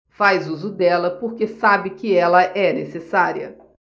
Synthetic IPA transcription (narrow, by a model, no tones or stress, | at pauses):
fajzuzʊd̪ɛlɐpoɾkesabɪkɪɛlɐʔɛnesesaɾiɐ